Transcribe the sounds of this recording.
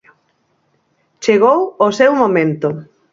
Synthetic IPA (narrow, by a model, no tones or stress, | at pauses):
t͡ʃeɣowosewmomẽnt̪ʊ